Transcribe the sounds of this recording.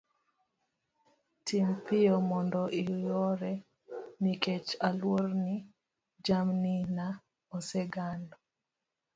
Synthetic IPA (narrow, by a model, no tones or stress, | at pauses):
tʰimpɪɔmɔndɔʔijɔɾɛ | niket͡ʃalwoɾni | d͡ʒamnina | ɔsɛɡandɔ